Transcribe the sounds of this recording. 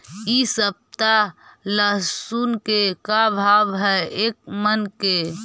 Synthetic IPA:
isəb̚t̪aləsunkekabʱabɦɛek̚mənke

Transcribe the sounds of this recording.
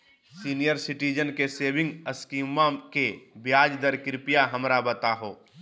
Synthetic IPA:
siːnijəɾsɪʈiːd͡ʒənkeseːbɪ̃ŋɡəskiːmãkebjaːd͡ʒd̪əɾkɪɾpijaɦɐmɾabət̪aɦoː

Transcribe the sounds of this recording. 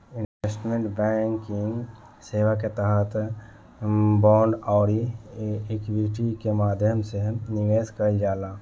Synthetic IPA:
ɪnʋesʈmẽɳʈbɛŋkɪ̃ŋɡ | seːʋaket̪əɦət̪ʰ | bɔːɳɖɔːɾi | ekbiʈikemaːd̪ʱjəmsenɪʋeːskəid͡ʒaːlaː

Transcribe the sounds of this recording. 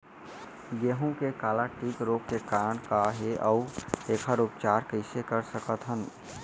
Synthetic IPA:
jeɦõkekaːlaʈiːkɾoːkkekaɾəɳkaɦeʔəʊeːkʰaɾup̚t͡ʃaːɾkəɪsekəɾsəkət̪ɦən

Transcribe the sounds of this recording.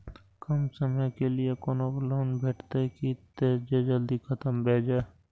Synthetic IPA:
kɐmsəməjkelɪekoːnobloːnbʱeːʈʰt̪ekit̪eːd͡ʒed͡ʒəld̪ikʰət̪əmbʱeːd͡ʒaː

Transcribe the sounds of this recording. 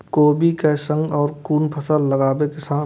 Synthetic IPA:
koːbʱikesə̃ŋɡɔːɾkuːnpʰəsəlːəɡaːbekɪsaː

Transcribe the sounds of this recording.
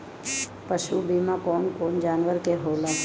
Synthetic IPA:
pəʃubiːmãkɔːnkoːnd͡ʒaːnʋəɾkeɦoːla

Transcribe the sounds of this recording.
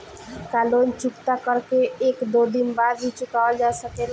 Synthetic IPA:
kalont͡ʃukt̪akəɾkeekd̪od̪inbad̪bit͡ʃukaəld͡ʒasəkel

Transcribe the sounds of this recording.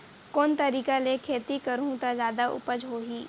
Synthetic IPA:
koːnt̪ɐɾiːkalekʰeːt̪ikəɾũt̪azjaːd̪aʔʊ̰pəd͡ʒɦoːɦiː

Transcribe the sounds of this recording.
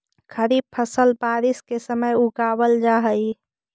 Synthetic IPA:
kʰəɾib̚pʰəsəlbaːɾɪskesəməjuɡaːbəld͡ʒaɦəji

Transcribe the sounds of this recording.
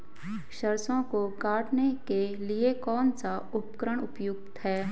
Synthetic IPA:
ʃɐɾsõkokaːʈnekeliekɔːnsaʊpkɾəɽ̃ʊpjʊɡ̚t̪hɛː

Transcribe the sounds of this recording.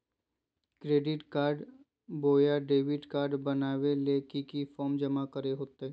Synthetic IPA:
kɾeːɖɪʈkaːɾɖ | boːjaɖeːʋɪʈkaːɾɖbɐnaːʋeleːkikifɔːɾmd͡ʒɐmakəɾeɦoːt̪eɛ

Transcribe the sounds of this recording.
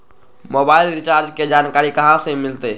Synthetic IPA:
mobailɾit͡ʃaɾd͡ʒked͡ʒankaɾikəɦãsẽmilt̪ɛ

